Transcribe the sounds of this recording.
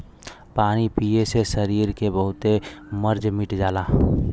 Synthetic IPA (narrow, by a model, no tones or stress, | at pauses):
paːnipijesesəɾiːɾkebəɦʊt̪eməɾd͡ʒmɪʈd͡ʒaːlaː